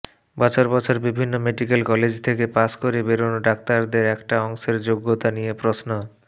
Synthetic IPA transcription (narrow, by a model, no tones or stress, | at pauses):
bɔt͡ɕʰoɾbɔt͡ɕʰoɾbibʱinːomeɖikelkɔled͡ʑt̪ʰekepaskoɾebeɾonoɖakt̪aɾd̪eɾɛkʈaɔŋʃeɾd͡ʑoɡːot̪anijepɾosno